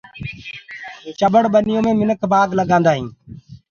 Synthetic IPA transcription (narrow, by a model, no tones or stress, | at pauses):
t͡ʃəɓəɽɓənɪjõːmẽːmɪnəkʰbaːɡləɡãːnd̪aːɦḭ̃ː